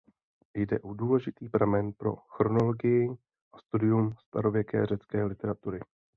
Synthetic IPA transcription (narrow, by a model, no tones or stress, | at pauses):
jdɛʔoduːlɛʒɪt̪iːpɾamɛnpɾo̰xɾo̞no̞lo̞ɡɪjɪ | ʔast̪udɪjumst̪a̰ɾo̞vjɛkɛ̰ːr̝ɛt͡skɛːlɪt̪ɛɾat̪uɾɪ